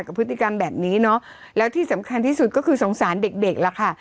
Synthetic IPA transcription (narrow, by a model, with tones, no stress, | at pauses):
ka˨˩pʰːɯː˦˥i˨˩ka˧mbɛː˨˩p̚niː˦˥nɔ˦˥ | lɛː˦˥wt̪ʰiː˥˩sa˩˦mkʰa˧nt̪ʰiː˥˩su˨˩t̪̚kɔː˥˩kʰɯː˧so˩˦ŋsaː˩˦nde˨˩k̚de˨˩k̚la˨˩kʰa˥˩